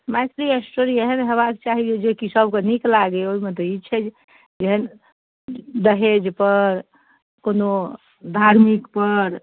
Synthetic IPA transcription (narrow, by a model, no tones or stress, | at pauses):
majt̪ɾiesʈoɾieɦenɦeβaket͡ʃaɦid͡ʒed͡ʒekisəbkeniklaɡeoiməd̪eit͡ʃʰɛd͡ʒ | d͡ʒeɦən | d̪əɦed͡ʒpəɾ | kono | d̪ʱaɾmikpəɾ